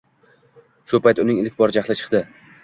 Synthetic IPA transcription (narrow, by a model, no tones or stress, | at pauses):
ʃʊpʰajt̪ʊnɪŋɪlɪkʲbɒɾd͡ʒaχlɪt͡ʃʰɨ̥qd̪ɪ